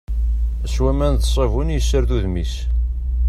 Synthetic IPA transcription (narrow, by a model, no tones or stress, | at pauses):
æswæmænθəsˤevunjəsːəɾðuðmis